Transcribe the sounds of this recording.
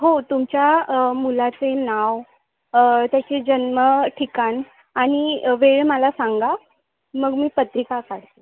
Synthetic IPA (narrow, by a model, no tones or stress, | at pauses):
ɦot̪umt͡ɕjamulat͡senaw | t̪jat͡ɕed͡ʑənməʈʰikan | aɽ̃iʋeɭməlasaŋɡa | məɡmiːpət̪ɾikakaɽt̪e